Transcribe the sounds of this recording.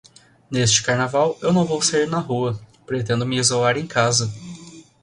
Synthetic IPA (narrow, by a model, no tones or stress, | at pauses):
nest͡ʃɪ̥kaɾnavawewnɐ̃w̃vowsaiɾnɐɦuɐpɾet̪ẽnd̪ʊmɪizolaɾẽj̃kazɐ